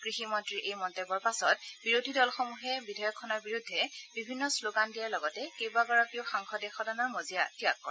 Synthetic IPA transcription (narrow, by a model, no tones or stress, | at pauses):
kɹiximɔntɹiɹʔejmɔntebɔɹpasɔtbiɹodʱidɔlxɔmuɦɛbidʱɔjɔkʰːɔnɔɹbiɹudʱːɛbibʱinːɔsloɡandijaɹlɔɡɔtɛkejbaɡɔɹɔkioxaŋxʰɔdɛxɔdɔnɔɹmozijatija̰kːɔ̰ɹɛ